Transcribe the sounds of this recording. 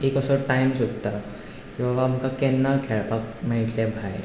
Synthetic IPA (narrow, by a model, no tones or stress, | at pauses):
ekɔsɔɾʈajmsot̪ːa | kĩw̃ʋaːmkakenːakʰɛɭpak̚maiʈʰlẽbʱaj